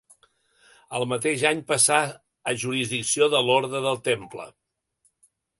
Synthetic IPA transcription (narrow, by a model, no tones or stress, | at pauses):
əlˠmət̪̬eʃaɲpəsa | əʒuɾizðiksioðəloɾðɾəðəlˠt̪emplə̰